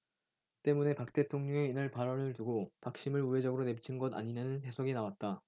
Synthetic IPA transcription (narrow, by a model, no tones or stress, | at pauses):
t͈e̞mune̞pak̚t͈e̞tʰoŋɲʌŋe̞inɯɭpaɾʌnɯɭtuɡopak̚ɕ͈imɯɭuwe̞d͡ʑʌɡɯɾone̞pt͡ɕʰinɡʌda̰ɲiɲanɯnɦe̞sʰoɡinawat̚t͈a